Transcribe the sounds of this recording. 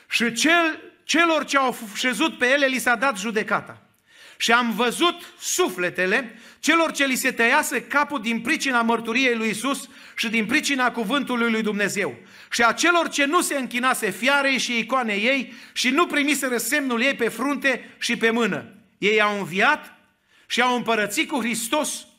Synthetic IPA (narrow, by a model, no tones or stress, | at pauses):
ʃit͡ʃet͡ʃe̞lo̞rt͡ʃe̞awʃezut̪̚pe̞je̞le̞lisad̪at̪ʒud̪e̞kat̪a̰ | ʃiamvəzut̪sufle̞t̪e̞le̞t͡ʃe̞lo̞rt͡ʃe̞lise̞t̪əjasekapud̪inpɾit͡ʃinamərt̪uɾije̞jlujisus | ʃid̪inpɾit͡ʃinakuvɨnt̪ulujlujd̪umne̞ze̞w | ʃiat͡ʃe̞lo̞rt͡ʃe̞nuse̞ɨŋkʲinase̞fjaɾejʃiejkoane̞je̞jʃinupɾimise̞ɾəse̞mnulje̞jpe̞fɾunt̪e̞ʃipe̞mɨnə̰ | je̞jawɨnviat̪ | ʃiawɨmpəɾət̪sit̪̚kuxɾist̪o̞s